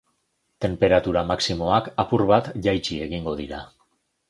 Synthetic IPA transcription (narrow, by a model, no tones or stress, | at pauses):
t̪e̞mpe̞ɾat̪uɾamaksimo̞akapuɾβat̪ʝajt͡ʃie̞ɣiŋɡo̞ð̞iɾa